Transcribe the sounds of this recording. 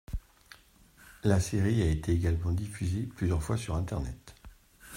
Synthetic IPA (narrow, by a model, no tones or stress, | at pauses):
laseʁiaet̪eːɡalmɑ̃d̪ifyzeplyzjœʁfwasyʁɛ̃t̪ɛʁnɛ̰t̪